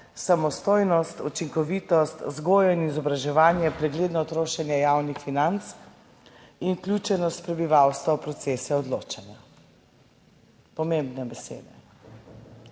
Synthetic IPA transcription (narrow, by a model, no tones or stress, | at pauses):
samɔst̪oːjnɔst̪ut͡ʃiŋkɔʋit̪ɔst̪zɡoːjɔinizɔbɾaʒɛʋaːnjɛpɾɛɡleːd̪nɔt̪ɾoːʃɛnjɛjawnixfinant̪s | inklʲuːt͡ʃɛnɔst̪̚pɾɛbiʋawst̪ʋapɾɔt̪seːsɛɔd̪lo̰ːt͡ʃanja | pɔmembnɛbɛsḛːd̪ɛ